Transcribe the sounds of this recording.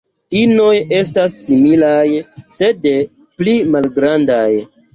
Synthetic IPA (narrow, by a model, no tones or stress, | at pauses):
ino̞je̞stasːimilajse̞de | plimalɡɾandaj